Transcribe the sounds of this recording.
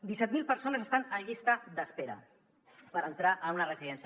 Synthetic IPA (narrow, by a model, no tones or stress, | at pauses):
d̪isɛt̪̚milˠpəɾsonəzəst̪anəʎist̪əd̪əspeɾə̰ | pəɾənt̪ɾaʔənunərəziðɛns